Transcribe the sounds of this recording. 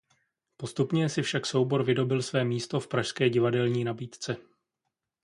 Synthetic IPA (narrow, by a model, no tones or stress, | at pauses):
po̞st̪upɲɛsɪfʃakso̞wbo̞ɾvɪdo̞bɪlsvɛːmiːst̪o̞fpɾaʃskɛːɟɪvadɛlɲiːnabiːt̪t͡sɛ